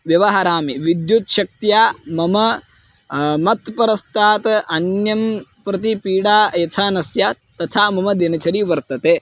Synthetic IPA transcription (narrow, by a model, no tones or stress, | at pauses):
ʋjɐʋɐɦɐɾaːmiʋid̪jut̪ʃɐk̚t̪jaːmɐmɐ | mɐt̪pɐɾɐst̪ʰaːt̪ʔɐnjɐmpɾɐt̪̬ipiːɽaːjɐt̪ʰaːnɐsja | t̪ɐt̪ʰaːmɐmɐd̪inɐt͡ʃɐɾiʋɐɾt̪ɐt̪eː